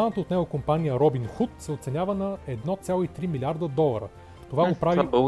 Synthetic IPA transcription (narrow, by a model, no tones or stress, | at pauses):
anət̪əoːt̪nɛɡokompanijəɾɔbinxut̪sɛot̪sɛnʲavənɐɛd̪nɔt̪sʲjalˠoit̪ɾimilʲiaɾd̪əd̪ɔlˠəɾə̰ | t̪ovaɡopɾavi